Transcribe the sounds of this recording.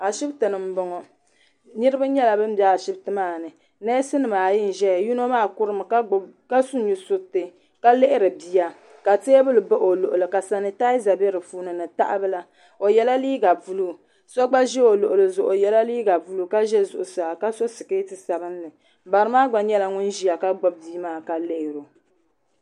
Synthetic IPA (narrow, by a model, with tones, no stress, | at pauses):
a˨ʃɪ˦btɨ˨nɨ˨m̩˦bɔ˨ŋɔ˨ | nɨ˦ɾɨ˦ba˦ɲɛ˦la˨bɨ˦m̩˦bja˨a˨ʃɪ˦btɨ˦maː˦˨nɨ˨ | nɛ˦sɨ˦nɨ˨maː˨ji˦n̩˨ʒɛ˦˨ju˦no˦maː˦˨kʊ˦ɾɨ˦mɨ˨kka˦su˦ɲu˨sʊ˦tɨ˦ | ka˦le˦ʔɪ˦ɾɨ˨bi˦a˨ | ka˨te˦bɨ˦lɨ˨bɔ˦ʔo˨lo˨ʔʊ˨lɨ˨ka˨sa˨nɨ˨ta˦za˨be˦ɾɨ˨fuː˦nɨ˨nɨ˨ta̰˦ʔa˦bɨ˦la˦ | o˨jɛ˦la˦liː˦ɡa˨vu˦lu˦ | sɔ˦ɡ͡ba˦ʒɛ˦o˨lʊ˨ʔʊ˨lɨ˨zʊ˨ʔʊ˨jɛ˦la˦liː˦ɡa˨vu˦lu˦ka˦ʒɛ˦zʊ̰˨ʔʊ˨saː˨ka˦so˦sɨ˨keː˦tɨ˨sa˨bɨ˦nlɨ˨ | ba˨ɾɨ˦maː˦ɡ͡ba˨ɲɛ˦la˨ŋʊ˦nʒi˦ja˨ka˦ɡ͡bɔ˦b̚biː˦maː˦˨ka˨le˦ʔɪ˨ɾo˨